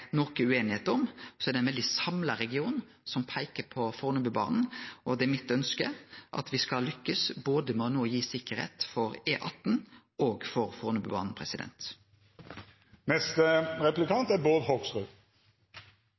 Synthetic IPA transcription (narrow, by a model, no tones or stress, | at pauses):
nɔkəʉeːnɪheːt̪ɔmsɔɛːɾd̪ɛnʋɛld̪ɪsɑmlɑɾɛɡɪuːn | sɔmpʰæɪkəpʰɔfoːʁnʉbʉːbɑ̰ːnn̩ʔɔd̪ɛmɪt̪ːœnskəʔɑ̰t̪ʋɪskɑlʏkːəsboːd̪əmonoːjiːsɪkːəɾḛːt̪fɔɾeːʔɑt̪n̩ | oːɡfɔɾfɔːʁnʉbʉ̰ːbɑ̰ːnn̩pʰɾɛsɪd̪ɛ̰nt̪ | nɛst̪əʁɛplɪkɑnt̪æɾboːd̪hɔɡsʁʉː